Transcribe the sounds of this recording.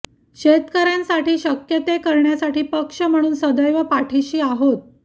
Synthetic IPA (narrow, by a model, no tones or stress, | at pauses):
ɕet̪kəɾjãnsaʈiːɕəkjət̪ekəɾɳjasaʈiːpəkʂəm̤əɽ̃uːnsəd̪əjʋəpaʈʰiɕiːaɦot̪̚